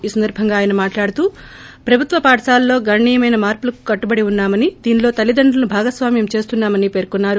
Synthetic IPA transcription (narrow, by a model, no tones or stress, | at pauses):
iːsɐnd̪ɐɾbʱɐŋɡaːjɐnɐmaːʈlaːɽut̪uːpɾɐbʱut̪ʋɐpaːʈɐsaːlːo̞ːɡɐɳːijɐmɐjnɐmaːɾpulɐku̥kɐʈːubɐɽiunːaːmɐnid̪iːnlo̞ːt̪ɐlid̪ɐɳɖɐlɐnubʱaːɡɐsʋaːmjɐmt͡ʃe̞ːst̪unːaːmɐnipe̞ːɾkunːaːɾu